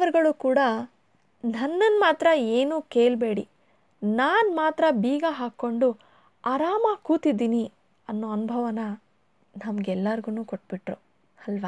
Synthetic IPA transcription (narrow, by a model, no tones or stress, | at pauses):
ʋɐɾɡɐɭuːkuːɽɐ | nɐnːɐnmaːt̪ɾɐeːnuːke̞ːɭbeːɽḭ | naːnmaːt̪ɾɐbiːɡɐɦaːkːo̞ɳɖu | ɐɾaːmɐkuːt̪id̪ːiːni | ɐnːoːɐnubʱɐʋɐnɐ | nɐmɐɡɛlːɐɾɡunuːkoʈ̚ːbiʈɾu | ɐlʋa